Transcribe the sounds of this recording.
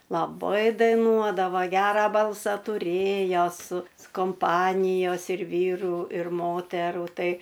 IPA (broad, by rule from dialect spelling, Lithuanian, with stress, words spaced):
lˠɐˈbɐɪ dɐɪˈnuɔdɐʋɐ ˈɡʲæːrɐ ˈbɐlˠsɐ tʊˈrʲeːjoː sʊ koːmˈpɑːnʲɪjoːs ɪr ˈʋʲiːrʊ ɪr ˈmoːtʲɛrʊ tɐɪ